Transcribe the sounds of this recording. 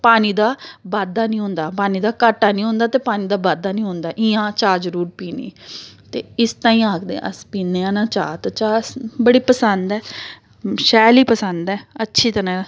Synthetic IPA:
paːniːd̪aːbaːd̪ːaːnĩːɦʊ̃nd̪aːpaːniːd̪aːkaːʈːaːnĩːɦʊ̃nd̪aːt̪eːpaːniːd̪aːbaːd̪aːnĩːɦʊ̃nd̪aːʔiːãːt͡ʃaːd͡ʒəɾuːɾpiːnḛːt̪eːɪst̪ãːĩːaːkd̪ḛ̃ːʔə̰spiːneːãːnãːt͡ʃa̰ːt̪ːt͡ʃaːsbəɽiːpəsənd̪ɛː | ʃɛːliːpəsənd̪ɛːətːʃʰiːt̪ənãː

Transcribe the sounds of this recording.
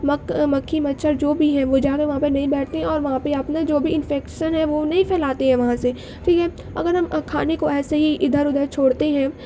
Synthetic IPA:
mɐkmɐkʰːimɐtːʃʰəɾd͡ʒoːbʱiɦɛ̃ʋod͡ʒaːkeʋɐɦãpenɐɦĩbɛːʈʰt̪eɦɛ̃ɔːɾʋɐɦãpeɐpnad͡ʒoːbʱiɪ̃nfɛːkʃənɦɛ̃ʋonɐɦĩpʰɛːlaːt̪eɦɛ̃ʋɐɦãse | ʈʰiːkɛ | ɐ̰ɡəɾɦɐmkʰaːnekoɛːseɦiʔɪd̪ʱəɾʊd̪ʱəɾt͡ʃʰoːɽt̪eɦɛ̃ː

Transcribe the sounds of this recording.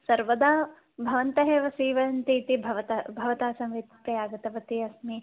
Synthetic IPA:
sɐɾʋɐd̪aː | bʱɐʋɐnt̪ɐɦeːʋɐsiːʋɐɐnt̪iːt̪ibʱɐʋɐt̪ɐbʱɐʋɐt̪aːsɐmʋit̪pɾɐjaːɡɐt̪ɐʋɐt̪iɐsmi

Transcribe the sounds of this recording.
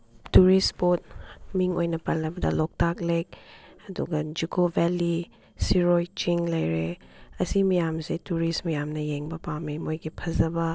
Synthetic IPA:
tuɾispot̚miŋojnɐpɐlɐbɐdɐ̰lɔk̚taklek̚ɐdṵɡɐd͡ʒikobeli | siɾojt͡ʃiŋlɐjɾeɐsimijamsetuɾismɐjamnɐjeŋbɐpawmimojɡipʰɐzɐbɐ

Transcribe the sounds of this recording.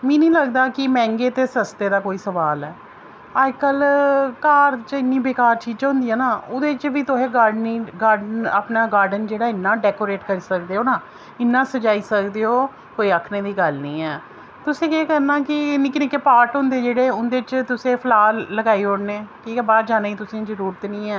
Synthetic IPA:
mɛ̃ːnĩːləɡd̪aːkɪmɛ̃ːŋɡeːt̪eːsəst̪eːd̪aːkoːiːsəʋaːlɛː | aːd͡ʒkəlkaːɾt͡ʃɪnːĩːbeːkaːɾt͡ʃiːãːɦʊ̃nd̪ijãːnaːʊd̪eːt͡ʃʋiːt̪ʊɦẽːɡaːɾɖniːɡaːɾɖənaːpnaːɡaːɾɖənd͡ʒeːɽaːɪnːãːɖɛːkoːɾeːʈkəɾiːsək̚d̪eːoːnaː | ɪnːãːsəd͡ʒaːiːsəkd̪eːoː | koːiːəkʰneːd̪iːɡəlnĩːɛː | t̪ʊsẽːkeːkəɾnaːkɪnɪ̃ːkɪnɪkeːpaːɾʈɦʊ̃nd̪eːd͡ʒeːɽeːʊnd̪eːt͡ʃt̪ʊsẽːpʰəlaːləɡaːiːoːɽneːkiːkɛːbaːd͡ʒaːnaːiːt̪ʊsẽːzəɾuːɾət̪nĩːɛː

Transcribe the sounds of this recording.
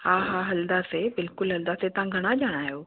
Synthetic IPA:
ɦaːɦaːɦɐld̪asebɪlkʊlɦɐld̪aset̪ɐʋãɡʱɐɽ̃aʄaːɽ̃aːjoː

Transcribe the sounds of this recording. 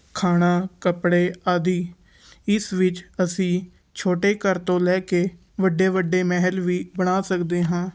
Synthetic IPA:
kʰaːɽ̃aːkəpɽeːaːd̪iː | ɪsʋɪt͡ʃəsĩː | t͡ʃʰoːʈeːkəɾt̪õːlɛːkeː | ʋəɖːeːʋəɖeːmɛːɦəlʋiːbəɽ̃aːsəkd̪eːɦãː

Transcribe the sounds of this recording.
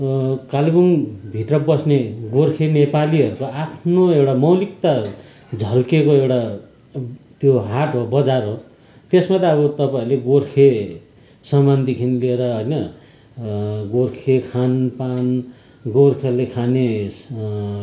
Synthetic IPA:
kaliɡunbʱiʈrʌbʌsneɡorkʰenepaliɦʌɾukoapʰnoewʈamʌwlik̚t̪a | d͡zʱʌlkekoewʈa | t̪joɦaʈɦobʌd͡zarɦo | t̪esmat̪aʌβʌt̪ʌpaĩleɡorkʰe | sʌmand̪ikʰinlieɾʌɦʌjnʌ | ɡorkʰekʰanpan | ɡorkʰelekʰane

